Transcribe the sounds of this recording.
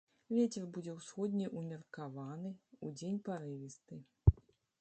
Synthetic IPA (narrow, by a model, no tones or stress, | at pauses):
vʲet͡sʲɛrbud͡zʲɛwsxɔd̪ʲnʲiʔumʲirkavanɨud͡zʲenʲpaɾɨvʲist̪ɨ